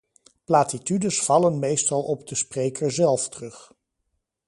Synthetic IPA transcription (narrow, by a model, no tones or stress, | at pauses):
plaːtitydəsfɑlənmejstɑlˠɔb̚dəsprejkʰəɹzɛlˠftrɵχ